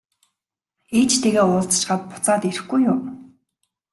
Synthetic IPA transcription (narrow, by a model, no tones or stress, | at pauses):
et͡ɕt̪ʰeɣeːʊːɮt͡s̆ʃɢaːt̪̚pʊ̥t͡saːt̪eɾɘ̆xɡujʊm